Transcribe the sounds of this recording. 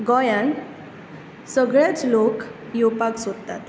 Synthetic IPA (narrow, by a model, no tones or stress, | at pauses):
ɡɔjan | səɡɭjat͡slokjopaksod̪t̪a̰t̪